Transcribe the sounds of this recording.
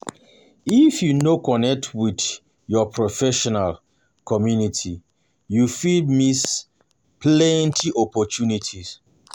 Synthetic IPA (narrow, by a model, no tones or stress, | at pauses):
ifjunokɔnɛk̚tʰwid | jɔpʰɹɔfɛʃɔnal | kʰɔmjunitʰi | jufidmis | plɛ̃ntʰiʔɔpɔtʰunitʰis